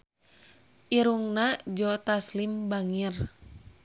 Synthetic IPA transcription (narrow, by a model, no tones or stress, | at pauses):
ʔiɾuŋnad͡ʒɔt̪aslimbaŋir